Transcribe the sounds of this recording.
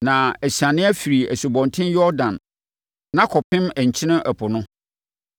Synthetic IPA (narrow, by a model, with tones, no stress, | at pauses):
nã˨æ˨ɕã˨nɪ̃˦æ˦fi˨ɾi˨æ˨su˨bɔ̃˨ntʰɪ̃˦njɔ˦ɾdã˨n | nã˦kʰɔ˨pʰɪ̃˦mæ˨ɲ̩˨t͡ɕʰɪ˦nɪ̃˦ʔæ˨pʰʊ˨nʊ̃˦